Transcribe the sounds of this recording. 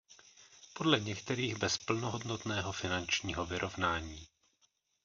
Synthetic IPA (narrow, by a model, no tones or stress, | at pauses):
po̞dlɛɲɛkt̪ɛɾiːɣbɛspl̩noɦo̞dno̞t̪nɛːɦo̞fɪnant͡ʃɲiːɦo̞vɪɾʔo̞vnaːɲiː